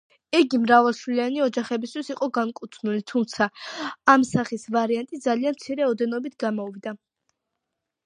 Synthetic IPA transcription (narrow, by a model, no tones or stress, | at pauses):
ɛɡimɾavalˠʃwlianiɔd͡ʒaχɛbist̪ʰwisiqʼɔɡankʼut̪sʰnulit̪ʰumt̪sʰaːmsaχisvaɾiant̪ʼitd̪zalianmt̪sʰiɾɛɔd̪ɛnɔbit̪̚ʰɡamɔvid̪a